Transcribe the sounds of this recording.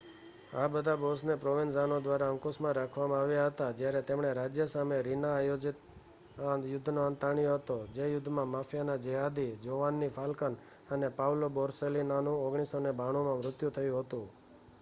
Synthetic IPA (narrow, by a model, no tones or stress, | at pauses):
abəd̪ʱabosnepɾoʋinzanod̪ʋaɾaə̃ŋkusmãɾakʰʋamãaʋjaɦət̪ad͡ʒjaɾɛt̪emɳ̃eɾad͡ʒjəsameɾinaːjod͡ʒɪt̪̚ | jʊd̪ʱnoant̪aɳ̃ijoɦət̪od͡ʒejʊd̪ʱːmãmafʰjanad͡ʒəɦad̪ʱid͡ʒoʋanːifʰalkan | ənepawlobɔɾselinanũoɡɽ̃isonebaɽ̃omãmɾʊt̪jut̪ʰəjũɦət̪ũ